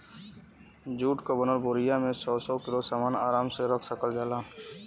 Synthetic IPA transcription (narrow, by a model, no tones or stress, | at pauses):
d͡ʒuːʈkabənəɾboːɾɪjamẽsɔːsɔkɪlosaːmaːnaːɾaːmseɾəkʰsəkəld͡ʒaːlaː